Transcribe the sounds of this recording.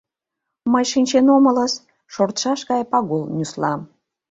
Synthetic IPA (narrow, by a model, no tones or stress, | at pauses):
məjʃinʲt͡ɕenomə̆ləs | ʃort̪ʃɑʃɡɑjpɑɣolˠnʲyslˠɑm